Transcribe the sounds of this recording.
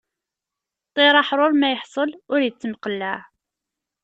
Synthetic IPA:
t̪ˤːeɾˤɑħɾˤoɾmæjəħsˤəlʊɾjət͡sːmqəlːæʕ

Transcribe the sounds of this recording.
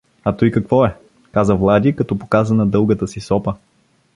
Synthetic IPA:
ɐt̪ojkɐkvɔɛ | kazəvlˠad̪ʲikɐt̪ɔpo̥kazənɐd̪ɤlˠɡət̪əsisɔpə

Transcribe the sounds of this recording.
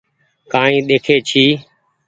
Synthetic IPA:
kãːɦĩːɗ̪eːkʰeːt͡ʃʰiː

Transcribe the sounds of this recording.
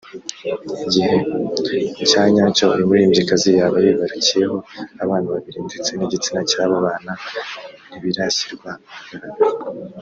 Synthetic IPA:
iɟihe̞ | icaːɲaːco̞iɾimuɾiːmɟikazijaβajiβaɾicijeɦo̞aβaːnaβaβiɾindit͡seniɟit͡sinacaːβoβaːna | niβiɾaɕi̥ɾɡwaaɡaɾaɾa

